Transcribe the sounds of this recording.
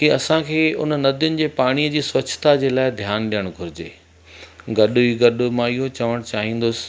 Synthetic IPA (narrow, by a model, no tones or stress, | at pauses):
kiɐsãkʰeːʊ̰nənɐd̪jʊnɪ̆d͡ʑeːpaːɽ̃iːəd͡ʑiːsʋɐt͡ɕʰt̪ad͡ʑeːlaːɪd̪ʱjaːnɗijəɽ̃ɡʱʊɾɪd͡ʑeː | ɡɐɗiɡɐɗmãiɦot͡ɕɐʋəɽ̃t͡ɕaːɦĩːnd̪ʊsɪ̥̆